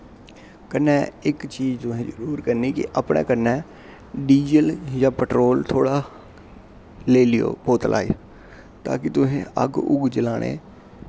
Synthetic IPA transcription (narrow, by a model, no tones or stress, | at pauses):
kənːɛ̃ːɪkt͡ʃiːd͡ʒt̪ʊɦẽːd͡ʒəɾuːɾkəɾniːkɪ̰ʔəpɳḛːkənːɛː | ɖiːd͡ʒəljãːpəʈɾoːlt̪ʰoːɽaː | leːlɪjo̰ːpoːt̪lʔa̰ːe | t̪a̰ːkɪt̪ʊɦḛ̃ːə̰ɡʊ̰ɡd͡ʒəlaːɽ̃ḛː